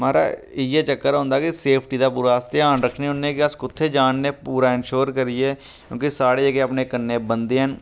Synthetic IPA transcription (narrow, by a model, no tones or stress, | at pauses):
maːɾa̰ː | ɪjeːt͡ʃəkːəɾɦõːnd̪aːkiseːpʰʈiːd̪aːpuːɾaːst̪eãːnɾəkʰneɦõnekɪəskʊt̪ʰːeːd͡ʒaːnːeːpuːɾaːɪnʃoːɾkəɾieː | kjõːkisaːɽeːəkeəpneːkənːeːbənd̪eːɦən